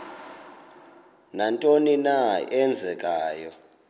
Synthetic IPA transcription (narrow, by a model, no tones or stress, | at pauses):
nantʼoninaɛnd͡zʱɛkʼaːjɔ